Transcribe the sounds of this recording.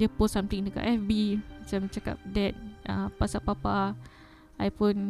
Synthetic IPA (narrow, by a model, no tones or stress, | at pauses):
dəposːamt̪iŋdəka̰ʔɛfbimat͡ʃamt͡ʃaka̰p̚dɛt̚ʔapasapapa | ʔajfɔn